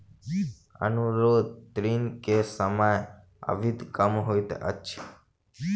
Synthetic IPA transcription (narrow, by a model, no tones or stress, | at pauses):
ə̰nuɾod̪̚t̪ɾinkesəmaj | ə̰ʋit̪kəmɦojt̪ḛʔə̰tːʃʰe